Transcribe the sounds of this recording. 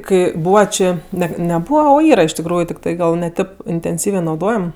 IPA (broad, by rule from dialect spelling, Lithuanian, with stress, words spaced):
ˈkɐɪ ˈbuːʋɐ ˈt͡ʃʲeː ˈnʲɛt nʲɛ ˈbuːʋɐ oː ˈiːrɐ ɪʃ tʲɪkˈruːjʊ tʲɪkˈtɐɪ ˈɡɐlˠ ˈnʲɛ ˈtʲeːp ɪnʲtʲɛnʲˈsʲiːʋʲeː nɐʊˈdoːjɛm